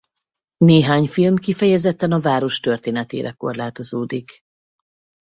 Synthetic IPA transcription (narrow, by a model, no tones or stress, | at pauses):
neːɦaːɲfilmkifɛjɛzɛt̪ːɛnɒvaːɾo̞ʃt̪ørt̪eːnɛt̪ḛːɾɛ̰ko̞̰rlaːt̪o̞zoːd̪ik